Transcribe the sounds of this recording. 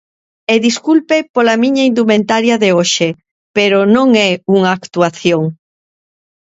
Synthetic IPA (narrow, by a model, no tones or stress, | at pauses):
eðiskulpepolamĩɲɐind̪umẽnt̪aɾjɐðeoʃe | peɾonõŋɛuŋaːkt̪uaθjoŋ